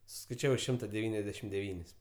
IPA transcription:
sʊskɐɪˈt͡ʃʲæːʋɐɪ ˈʃʲɪmtɐ dʲɛˈʋʲiːnʲɛzʲdʲɛʃʲɪm dʲɛˈʋʲiːnʲɪs

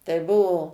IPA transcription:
tɐɪ ˈbuɔ

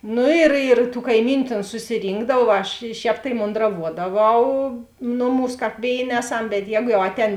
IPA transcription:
ˈnʊ ɪr ɪr tuː kɐɪˈmʲiːnʲʊ ˈtʲeːn sʊsʲɪˈrʲiːŋɡdɐw ˈɐʃ ˈʃʲɛːp tɐɪ moːndrɐˈʋuɔdɐˌʋɐʊ ˈnʊˌmuːs ˈkɑːp ˈʋʲeːɪˌnʲeː ˈæːˌsɐm bʲɛt ˈjɛːɡʊ jɛʊ ˈɑːtʲˌɛːn

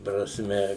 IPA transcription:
prɐsʲˈmʲɛ

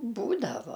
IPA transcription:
ˈbuːdɐʋoː

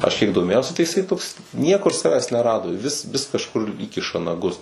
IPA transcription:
ˈɐʃ kʲiɛk doːˈmʲeːjɛʊsʲɪ tɐɪ ɪˈsɐɪ toːks ˈnʲiɛkʊr ˈsɑːʋʲɛs nʲɛˈrɑːdoː ˈʋʲɪs ʋʲɪs kɐʃˈkʊr ˈiːkʲɪʃɐ nɐˈɡʊs

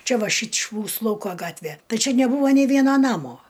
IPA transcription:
ˈt͡ʃʲɛ ˈʋɐ ˈʃʲiːt͡ʃʲ ˈmuːsʊ ˈlˠɐʊkoː ˈɡɑːtʲʋʲɛ ˈtɐɪ ˈt͡ʃʲɛ nʲɛˈbuːʋoː nʲɛɪ ˈʋʲiɛnɐ ˈnɑːmoː

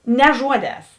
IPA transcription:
nʲɛ ˈʒuɔˌdʲɛːs

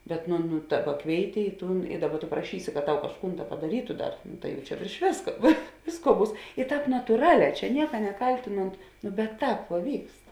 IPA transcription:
bʲɛt nʊ nʊ ˈdɑːˌbɐ ˈkʋʲeːɪˌtʲɪ ɪ ˈtuːn ɪ ˈdɑːˌbɐ tʊ prɐˈʃʲiːsʲɪ kɐt ˈtɐʊ kɐʃˈkuːn ˈdɐ pɐdɐˈrʲiːtʊ ˈdɐr ˈtɐɪ jɛʊ t͡ʃʲɛ ʋʲeːrʃ ˈʋʲeːskɐ ʋʲeː ˈʋʲeːsˌkuɔ ˈbuːs ɪ ˈtɑːp nɐtuːˈrɑːˌlʲɛː ˈt͡ʃʲɛ ˈnʲiɛkɐ nʲɛˈkɐlʲtʲɪnoːnt noː bʲɛt ˈtɑːp ʋuɔ ˈʋʲiːkst

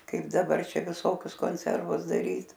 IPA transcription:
ˈkɐɪp dɐˈbɐr ˈt͡ʃʲɛ ʋʲɪˈsoːkʲʊs koːnʲˈsʲɛrʋʊs dɐˈrʲiːt

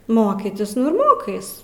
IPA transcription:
ˈmoːkʲiːtʲɪs nʊ ɪr ˈmoːkɐɪs

